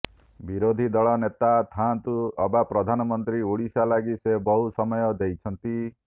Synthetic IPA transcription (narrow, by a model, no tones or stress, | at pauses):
biɾod̪ʱid̪ɔɭɔnet̪at̪ʰant̪uɔbapɾɔd̪ʱanɔmɔnt̪ɾiuɽisalaɡisebɔɦusɔmɔjɔd̪ejt͡ʃʰɔnt̪i